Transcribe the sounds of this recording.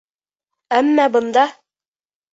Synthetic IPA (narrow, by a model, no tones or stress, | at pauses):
æmːɑbɤ̆nd̪ɑ